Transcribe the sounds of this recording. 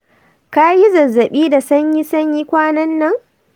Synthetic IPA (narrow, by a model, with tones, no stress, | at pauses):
kaː˦hi˦zɐ˨zːɐ˨ɓiː˦da˨sɐ˦ɲji˦sɐ˦ɲji˦kʷaː˦nɐ˦nːɐ˦ŋ